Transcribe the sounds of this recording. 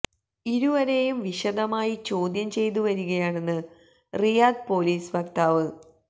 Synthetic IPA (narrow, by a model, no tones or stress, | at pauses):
iɾuʋɐɾe̞jumʋiɕɐd̪ɐmaːjit͡ɕo̞ːd̪jɐmt͡ɕe̞jt̪̬uʋɐɾuɣɐjaːɳe̞nːɨ | rijaːd̪̚po̞ːliːsbɐkt̪aːʋɨ